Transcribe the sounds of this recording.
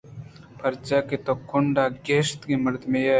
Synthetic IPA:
pʰɐɾt͡ʃaket̪okːʊɳɖaɡeːst̪kemɐɾd̪mẽja

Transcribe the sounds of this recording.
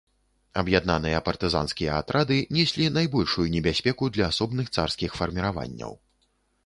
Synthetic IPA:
ɐbjad̪nanɨjɐpɐrt̪ɨza̰nskʲijɐat̪ɾad̪ɨnʲɛsʲlʲinajbɔlʲʂujunʲɛbʲasʲpʲɛkud̪lʲɐːsɔbnɨxt̪sarskʲixfɐrmʲiɾava̰nʲːɐ̰w

